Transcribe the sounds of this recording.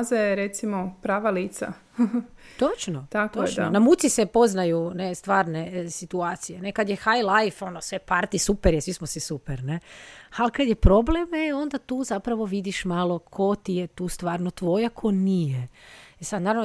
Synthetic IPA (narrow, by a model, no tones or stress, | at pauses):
zajeɾet̪simopɾaːʋaliːt̪sa̰ | t̪o̞t͡ʃnot̪ak̪ononamut̪sisepo̞znajunest̪ʋaːɾne̞sit̪uaːt̪sijenekad̪jexajlajfo̞nosʋepaɾt̪isupeɾjesʋismosisupeɾnealkad̪jepɾo̞blemeo̞nd̪at̪uːzapɾaʋo̞ʋid̪iʃmaːlo̞kʰo̞t̪ijet̪uːst̪ʋaːɾnot̪ʋo̞jakʰo̞nijeesad̪naːɾaʋno